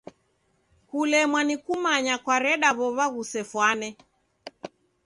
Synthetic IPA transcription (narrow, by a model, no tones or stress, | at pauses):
hulɛmwanikumaɲakwaɾɛɗaβɔβaɣusɛfwanɛ